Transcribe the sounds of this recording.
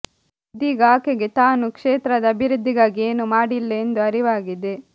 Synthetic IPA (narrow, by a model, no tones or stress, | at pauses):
d̪iːɡaːkeɡe̞t̪aːnukʂeːt̪ɾɐd̪ɐɐbʱiɾud̪ʱːiɡaːɡieːnumaːɽilːɐend̪uɐɾiʋaːɡid̪e̞